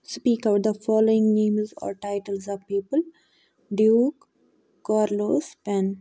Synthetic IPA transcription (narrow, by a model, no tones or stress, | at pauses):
spiːkaʊʈ̚d̪əfɔːloːɪ̃ŋnẽːmzɔ̰ːɾʈaɪʈəlzɔːʋpiːpəl | ɖjuːkː | ɔːɾloːspɛ̃n